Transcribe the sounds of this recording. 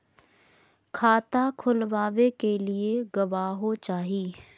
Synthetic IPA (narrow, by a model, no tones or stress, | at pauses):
kʰaːt̪akʰʊlʋaːʋekelɪeɡɐʋaːɦot͡ʃaːɦiː